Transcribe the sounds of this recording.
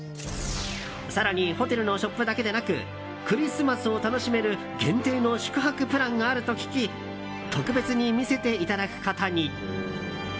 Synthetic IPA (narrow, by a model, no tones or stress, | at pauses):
saɾaɲ̟iho̞t̪e̞ɾɯ̟no̞ɕo̞pːɯ̟d̪ake̞d̪e̞nakɯ̟̰ | kɯ̟ɾʲisɨmasɨo̞t̪ano̞ɕime̞ɾɯ̟ | ɡẽ̞nt̪e̞ːno̞ɕi̥kɯ̟ɦakɯ̟pɯ̟ɾãŋɡaːɾɯ̟t̪o̞kʲi̥kʲi | t̪o̞kɯ̟be̞t͡sɨɲ̟imʲise̞t̪e̞it̪ad̪akɯ̟̥kat̪aɲ̟i